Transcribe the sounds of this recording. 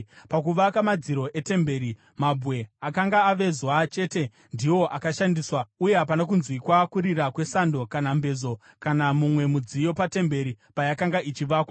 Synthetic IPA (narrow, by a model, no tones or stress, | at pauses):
pakuʋakamad͡ziɾo̞ʔe̞te̞mbe̞ːɾi | mabʱwe̞akaŋɡaːʋe̞zuat͡ʃe̞ːte̞ | ndiwo̞ʔakaʃandiːswauje̞ɦapanak̬unzwikwakuɾiɾakwe̞sando̞kanambe̞zo̞ | kanamumwe̞mud͡zijo̞pate̞mbe̞ɾi | pajakaŋɡaʔit͡ʃiʋakwa